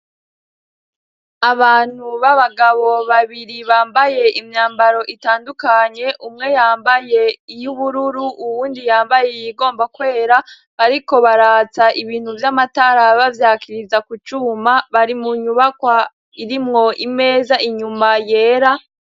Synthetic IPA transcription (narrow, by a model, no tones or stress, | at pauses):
aβaːn̥huβaβaɡaβo̞βaβiɾiβaːmbaje̞ʔimɲaːmbaɾo̞ʔitaːndukaɲe̞ʔumŋe̞jaːmbaje̞ijuβuɾuɾuʔːβuːndijaːmbajejiɡo̞ːmbakwe̞ːɾa | βaɾiko̞βaɾaːt͡saiβiːn̥huvjamataɾaβavjaːkʰiɾizakut͡ʃuːmaβaɾimuɲuβakwa | iɾimŋo̞ʔime̞ːzaʔiɲumaje̞ːɾa